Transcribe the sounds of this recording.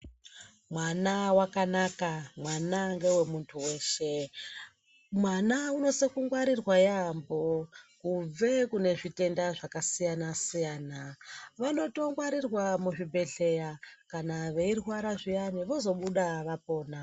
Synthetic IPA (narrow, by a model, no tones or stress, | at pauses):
mwanawakanakamwanaŋɡe̞we̞muntʰuwe̞ːʃe̞ | mwanauno̞sekuŋɡwaɾirwajambokuve̞kune̞ʐite̞ndaʐakasijanasijaːnaʋano̞to̞ŋɡwaɾirwamuʐibʱe̞ɮe̞jakanaʋe̞irwaɾaʐijaniʋo̞zo̞ɓuɗaʋapo̞ːna